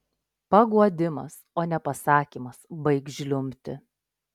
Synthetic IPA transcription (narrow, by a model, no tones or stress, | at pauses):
pɐɡuɔd̪ʲɪmɐ̰s | oːnʲɛpɐsɑːkʲiːmɐsbɐɪkʒʲlʲʊmʲt̪ʲɪ̰